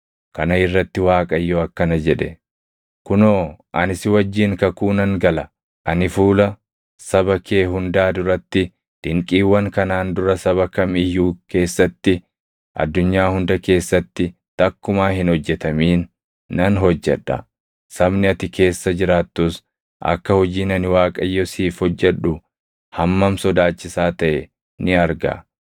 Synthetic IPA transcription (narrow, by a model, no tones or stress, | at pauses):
kɐnɐɪrːɐt̪ːɪwaːkʼɐjːoɐkːɐnɐd͡ʒɛᶑɛ | kʊnoːʔɐnɪsɪwɐd͡ʒːiŋkɐkuːnɐŋɡɐlɐ | ʔɐnɪfuːlɐ | sɐbɐke̞ːɦʊnd̪aːd̪ʊɾɐt̪ːɪ | d̪̥ɪŋkʼiːwːɐŋkɐnaːnd̪ʊɾɐsɐβɐkɐmɪjːuːke̞ːsːɐt̪ːɪ | ʔɐ̰d̪ːʊɲːaːhʊnd̪ɐke̞ːsːɐt̪ːɪ | t̪ɐkːʊmaːhɪnhɔd͡ʒːɛt̪ɐmiːnː | ɐnɦɔd͡ʒːɛ̰ᶑːɐ̰ | sɐbnɪɐt̪ɪke̞ːsːɐd͡ʒɪɾaːt̪ːus | ʔɐ̰kːɐhɔd͡ʒiːnɐnɪwaːkʼɐjːɔsiːfhɔd͡ʒːɛᶑʊ | hɐmːɐmsɔd̪aːt͡ʃːɪsaːt̪ɐʔɛ | nɪɐɾɡɐ̰